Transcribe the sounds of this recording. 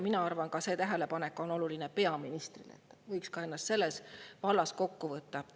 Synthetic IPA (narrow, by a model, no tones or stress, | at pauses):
minɑɑrvɑnkɑse̞t̪æɦæle̞pɑne̞kːˑo̞no̞lulinepe̞ɑminist̪rilḛt̪ːvɤjkskɑe̞nːɑst̪se̞lːe̞svɑlːɑsko̞kːuvɤt̪ːɑ